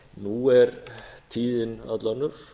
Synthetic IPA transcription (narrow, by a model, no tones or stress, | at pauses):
nuɛɾt̪ʰiːðɪna̰t̪lanːʏɾ̥